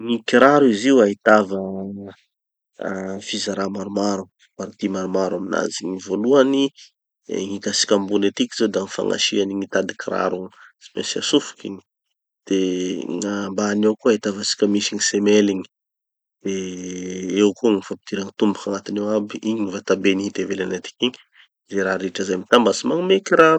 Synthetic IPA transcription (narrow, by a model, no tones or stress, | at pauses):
ŋikiɾaɾuiziuaɦit̪avə | fizaɾamaɾumaɾu | paɾt̪imaɾumaɾwamina̰ziŋivoluanḭ | ŋikasi̥kʲambunet̪ikized̪aŋifa̰ŋa̰ʃianiŋit̪ad̪ikiɾa̰ɾuspḛnsia̰sufu̥kḭɲi̥ | d̪̥eŋambaːnewkuaet̪avasi̥kʲəmisiŋisemeliɲi̥ | d̪̥e | ewkuŋifampi̥t̪iɾaŋit̪umbakaŋat̪inewabiiɲiɲivat̪abeniit̪evelanat̪i̥kiɲ | zeɾaɾiʈ͡ʂəzajmit̪ambasimaŋmekiɾa